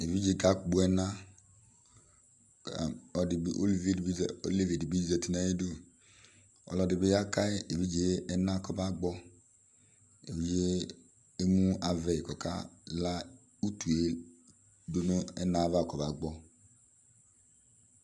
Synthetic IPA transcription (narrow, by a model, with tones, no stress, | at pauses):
e˨vi˦d͡ʒe˨˦˨ɡa˦kɡ͡bu˨˦ɛ˦na˦˨ | ɔ˨dɪ˨bʔo̰˦li˨ve˦˨di˦˨o̰˦li˦˨ve˨di˨bi˦d͡ʒi˨zɛ˨ti˨na˨je˦du˦˨ | ɔ̰˨lɔ˧dɪ˨bɪ˦ja˦ka˦e˦e˨vi˦d͡ʒe˦ɛ˦na˦˨kɔ˦ba˦ɡ͡bɔ˦ | ḛ˨vi˦d͡ʒe˦ | e˦mũ˦a˨vɛ˨kɔ˨ka̰˦la˦ | u˦tu˨e˦ | do˦no˦ɛ̰˦na˦˨va˦˨kɔ˨ba˨ɡ͡bɔ˦